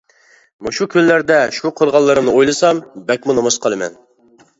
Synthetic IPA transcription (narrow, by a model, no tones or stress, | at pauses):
muʃukʲʰylːæɾd̪ɛʃuqʰoɾʁɑlˠːɨɾɨnɨojlˠɨsɑmbɛk̚ʲmunomɨsqʰəlˠɨmɛ̰n